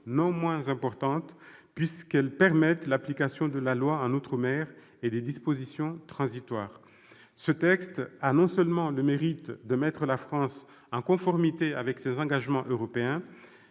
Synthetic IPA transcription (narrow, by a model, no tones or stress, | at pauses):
nɔ̃mwɛ̃zɛ̃pɔʁt̪ɑ̃t̪pɥiskɛlpɛʁmɛt̪laplikasjɔ̃d̪əlalwaɑ̃not̪χəmɛʁ | ed̪ed̪ispozisjɔ̃t̪χɑ̃zit̪waːʁ | sət̪ɛkst̪anɔ̃sœlmɑ̃ləmeʁit̪d̪əmɛt̪χəlafχɑ̃s | ɑ̃kɔ̃fɔʁmit̪eavɛksezɑ̃ɡaʒmɑ̃ʔøʁɔpeɛ̃